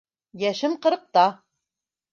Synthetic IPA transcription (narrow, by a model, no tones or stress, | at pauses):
jæʃɘmqɤ̆ɾɤ̆q̚t̪ɑ